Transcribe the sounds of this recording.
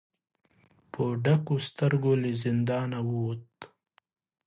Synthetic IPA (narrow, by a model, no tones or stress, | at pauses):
poɖakost̪aɾɡolezɪnd̪ɑːnawuwut̪̚